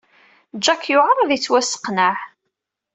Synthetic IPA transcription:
d͡ʒːækːjʊʁəɾˤðit͡sːwæsə̥qnəʕ

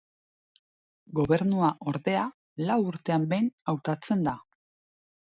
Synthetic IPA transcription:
ɡo̞βe̞ɾnuaʔo̞ɾðe̞a | lawuɾt̪e̞ambe̞jnawt̪at͡se̞nd̪a

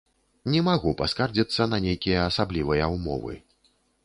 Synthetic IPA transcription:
nʲɛmaɣupaskard͡zʲit̪sːɐnɐnʲejkʲijɐːsablʲivɨjɐwmɔ̰vɨ̰

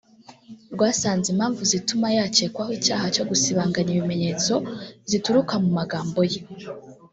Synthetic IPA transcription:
ɾɡwaːsaːnzimhaːɱvuzitumajaːt͡ʃe̞kwahwiːcaːhat͡ʃo̞ɡusiβaːŋɡaɲiβime̞ɲe̞ːt͡so̞zituɾukamumaɡaːmbo̞je

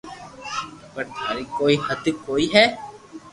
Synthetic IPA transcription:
pəɾt̪ʰaːɾikoːihəd̪koːiɦɛː

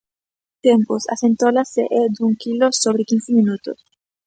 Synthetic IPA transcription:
t̪emposa̰sent̪olaseʔed̪uŋkilosoβɾekinsɪminut̪o̰s

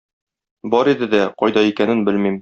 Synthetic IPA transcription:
bɒɾid̪ɘd̪æqɒjd̪ɑikænɘnbɘlmim

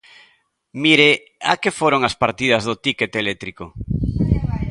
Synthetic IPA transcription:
miɾe | akefoɾoŋaspaɾt̪ið̞ɐzðʊt̪iket̪elet̪ɾiko

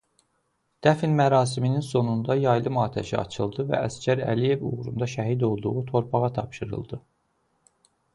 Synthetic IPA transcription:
d̪̥æfinmæɾɑːs̬imininso̞nund̪ɑjɑjlˠɯmɑːt̪ʰæ̰ʃiɑ̰t͡ʃʰɯlˠd̪ɯvæ̰ʔæscʰæɾæ̰lije̞vṵʁɾund̪ɑʃæɦid̪o̞lˠd̪uʁut̪ʰo̞ɾpʰɑʁɑt̪ʰɑpʃɯɾɯ̰lˠd̪ɯ

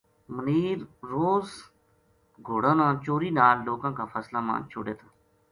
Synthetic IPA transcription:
məniːɾːoːz | ɡʱoːɽãːnãːt͡ʃoːɾiːnaːlːoːkãːkaːpʰəːslaːmã̰ːt͡ʃʰʊ̰ɽeːt̪ʰaː

